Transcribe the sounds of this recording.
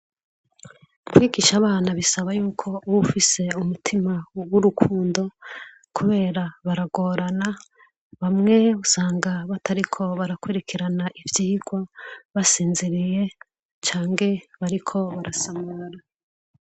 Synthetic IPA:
kwiːɡiʃaβaːnaβisaβajuːkʰo̞βufise̞umutʰimawuɾukʰuːndo̞ | kʰuβe̞ːɾaβaɾaɡo̞ːɾana | βamŋe̞usaːŋɡaβatʰaɾikʰo̞βaɾakweɾekʰiɾanaʔivjiːɡ̥waβasiːnzeɾije̞ | t͡ʃaːŋɡe̞βaɾikʰo̞βaɾasamaɾa

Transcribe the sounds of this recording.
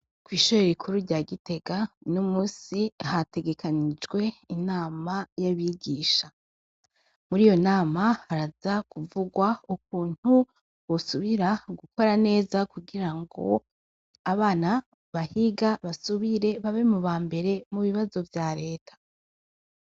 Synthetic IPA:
kwiːʃoɾeɾikʰuɾuɾɟaːɡite̞ɡanumuːsihate̞ɡe̞kʰanid͡ʒɡwe̞inaːmajaβiɡiːʃa | muɾijo̞naːmahaɾazakuvuɡwauk̚uːn̥hu | wosuβiɾaɡuko̞ɾane̞ːzakuɡiɾaŋɡo̞̰ | aβaːna | βahiɡaβasuβiɾe̞βaβemuβaːmbe̞ɾe̞muβiβazo̞vjaɾe̞ːtʰḁ

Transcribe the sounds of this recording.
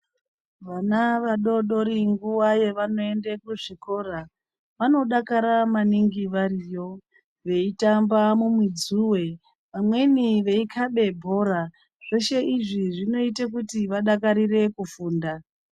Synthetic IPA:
ʋanaʋaɗo̞ɗo̞ɾiŋɡuwaje̞ʋano̞e̞ndekuʐiko̞ɾa | ʋano̞ɗakaɾamaniŋɡiʋarijo̞ | ʋe̞itambamumwid͡zuwe̞ | ʋamwe̞niʋe̞ikʰaɓe̞bʱo̞ɾa | ʐ̥e̞ʃe̞iʐiʐino̞itak̬utiʋaɗakaɾire̞kufuːnda

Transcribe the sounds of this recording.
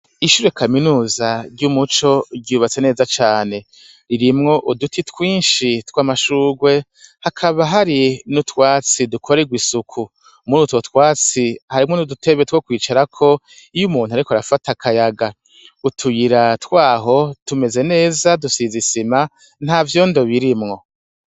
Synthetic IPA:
iʃuːɾekʰaminuːzaɾɟumut͡ʃo̞ɟɟuːβat͡se̞ne̞ːzat͡ʃaːne̞ | ɾiɾimŋo̞ʔudutʰitkwiːnʃitwaːmaʃuːɡwe̞ | hakʰaβaɦaɾinutwaːt͡sidukʰoɾeɡwisukʰu | munutwotwaːt͡sihaɾimŋonudute̞βetwokwiːt͡ʃaɾakʰo̞ | ijumuːn̥uaɾikoaɾafatakʰajaɡa | utʰujiɾatkwaːɦo̞tume̞ze̞ne̞ːzadusizisima | n̥havjo̞ndo̞βiɾimŋo̞

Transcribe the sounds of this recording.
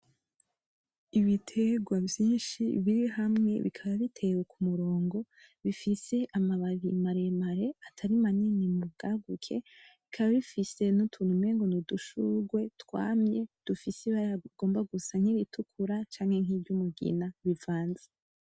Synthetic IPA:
iβitʰeɡwavjiːnʃḭβiɾiɦamŋe̞̰βḭkʰaβaβitʰe̞wokumuɾo̞ːŋɡo̞ | βifise̞ʔamaβaɾimaɾemaɾe̞atʰaɾimaninimubɡaːɡukʰe̞̰βikʰaβaβifise̞nutʰuːn̥umeːŋɡonuduʃuɡwe̞twa̰ːmje̞d̥ufiseβaɾaɡ̥o̞ːmbaɡusaɲiɾitʰukʰuɾat͡ʃaːŋhe̞ŋɦiːbɟumuɡḭnaβivaːnze

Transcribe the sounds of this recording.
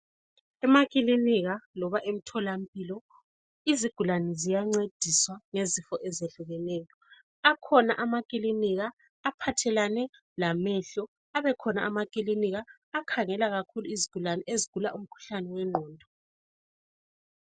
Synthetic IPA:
ɛmakʼiliniɣalɔβaʔem̩tʰɔlam̩pʼilɔ | iziɡ̥ʱulanɛzijaŋ͡ǀed̥ʱiswaŋezifɔʔɛzeɬuɣɛneːjɔ | akʰɔnaʔamakʼiliniɣaː | pʰatʰɛlanɛ | lamɛɬɔ | aβɛkʰɔnaamakʼiliniɣaː | kʰaŋɛlaɣakʰuluiziɡ̥ʱulanɛʔeziɡ̥ʱulaum̩kʰu̥ɬanɛwɛŋ͡ǃʱɔːndʱɔ

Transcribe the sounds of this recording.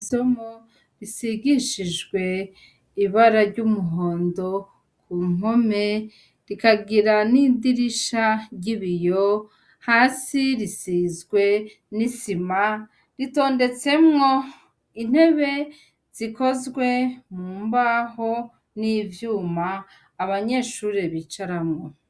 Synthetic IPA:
iso̞mo | ɾisiɡiʃiʒɡwe̞ | iβaɾaɾɟumuɦoːndo̞ | kʰuːŋo̞me̞ | ɾikaɡiɾanidiɾiʃaɾɟiβijo̞ | haːsiɾisizɡwe̞ | nisima | ɾito̞ːnde̞t͡se̞mŋo̞ | in̥he̞βe̞ | z̥iko̞zɡwe̞muːmbaho̞ | nivjuːmaː | βaɲe̞ʃuːɾeβit͡ʃaɾamŋo̞

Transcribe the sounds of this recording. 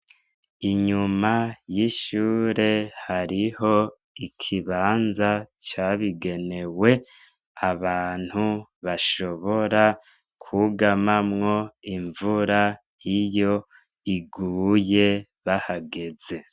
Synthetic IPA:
iɲumajiʃuːɾe̞haɾiho̞ | ikʰiβaːnzat͡ʃaβiɡe̞ne̞we̞ | aβaːn̥huβaʃo̞βo̞ɾa | kʰuɡamamŋo̞iɱvuɾa | jijo̞ | iɡuːje̞ | βahaɡe̞ze̞

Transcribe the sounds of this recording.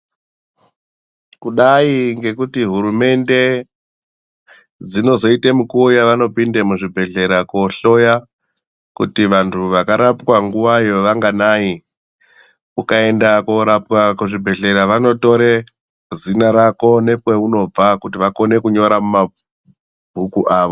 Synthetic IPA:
kuɗaiŋɡe̞kutiɦuɾume̞nde̞ | d͡zino̞zo̞itemukuojaʋano̞pindemuʐibʱe̞ɮe̞ɾako̞ɬo̞ja | kutiʋantʰuʋakaɾapkwaŋɡuwajo̞ʋaŋɡanai | kukae̞ndakoɾapwakuʐibʱe̞ɮe̞ɾaʋano̞to̞ɾe | zinaɾako̞ne̞pweuno̞b͡vakutiʋako̞ne̞kuɲo̞ɾamuma | bʱukuʔaːʋo̞

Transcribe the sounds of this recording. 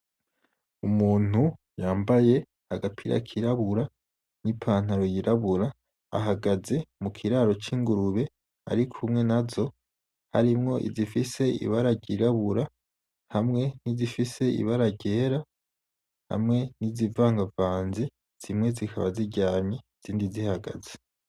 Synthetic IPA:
umuːn̥u | jaːmbaje̞ | haɡapʰiɾa̰kʰiɾaβuɾa | nipʰaːn̥aɾojiɾʔaβuɾa̰ː | ɦaɡaze̞mukʰiɾaɾo̞t͡ʃiːŋɡuɾuβe̞ | a̰ɾikʰumŋe̞nazo̞ | ha̰ɾimŋo̞ʔḭzifise̞ḭβaɾaɟiɾaβuɾa | hamŋe̞nizifise̞ḭβaɾaɟeːɾa | ha̰mŋe̞nizivaːŋɡavaːnze̞ | z̥imŋe̞zikʰaβa̰ziɟaːɲez̥iːndizihaɡa̰ze

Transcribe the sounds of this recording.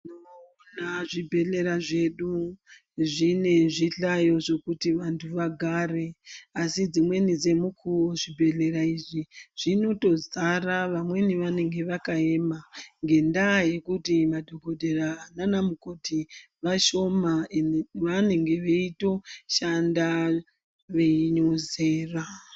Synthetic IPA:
no | naʐibʱe̞ɬe̞ɾaʐe̞ɗu | ʐine̞ʐiɬajo̞ʐe̞kutiʋantʰuʋaɡʱare̞asid͡zimwe̞nid͡ze̞mukʰuoʐibʱe̞ɬe̞ɾaiʐiʐ̥ino̞to̞zaraʋamwe̞niʋane̞ŋɡe̞ʋakae̞maŋɡe̞ndaːje̞kutimadʱo̞ɡʱo̞dʱerananamukotʰi | ʋaʃo̞maʋane̞ŋɡe̞ʋeito̞ʃanda | ʋeiɲoze̞ːra

